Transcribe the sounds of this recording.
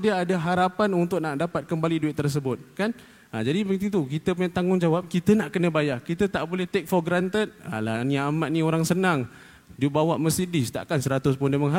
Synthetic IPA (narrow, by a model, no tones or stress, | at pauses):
diaːdaɦaɾapanunt̪ʊk̚naʔdapat̪̚kəmbaliduɪt̪̚t̪ːərs̬əbʊt̪̚kan | ad͡ʒadipət̪it̪ukit̪əpuɲat̪aŋʊŋd͡ʒawap̚kit̪ənaʔkənə̃bajakit̪ət̪aʔbolɛht̪ek̚fɔɡɾant̪ət̪̚a̰laniaːmaʔ̪̚nĩoɾaŋsənaŋ | diəbawaʔməsidɪst̪a̰ʔkansəɾat̪ʊspʊndaməŋɦa